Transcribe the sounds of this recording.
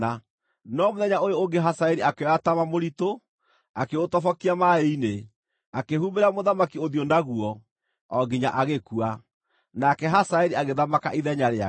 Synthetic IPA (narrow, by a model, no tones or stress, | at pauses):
a | nɔmoðɛɲaojooŋɡeɦasaeɾiakeɔatamamoɾito | akeotɔfɔkiamaeine | akehumeɾamoðamakioðjondaɣuɔ | ɔɡiɲaʔaɣekua | nakɛɦasaeɾiaɣeðamakaʔiðɛɲaɾea